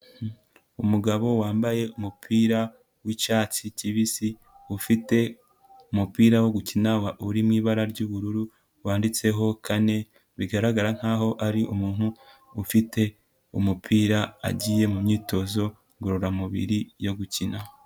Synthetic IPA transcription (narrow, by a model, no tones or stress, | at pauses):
umuɡaβo̞waːmbaje̞umupʰiːɾa | wit͡ʃaːt͡siciβisi | ufite̞ | umupiːɾawo̞ɡucinawaʔuɾimŋiːβaɾaɾɟuːβuɾuɾu | waːndit͡se̞ɦo̞kʰane̞ | βiɡaɾaɡaɾaŋ̥haːɦo̞ʔaɾiʔumuːn̥huː | fite̞ | umupʰiːɾa̰ːɟije̞mumɲiːto̞zo̞ | ɡuɾoɾamuβḭɾijo̞ɡucina